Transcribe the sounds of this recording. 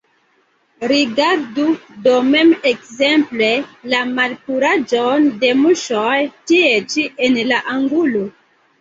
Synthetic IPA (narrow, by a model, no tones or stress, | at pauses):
ɾiɡaɾdudome̞mekzemple̞lamalkuɾad͡ʒonde̞muʃojtiet͡ʃienlaʔaŋɡulo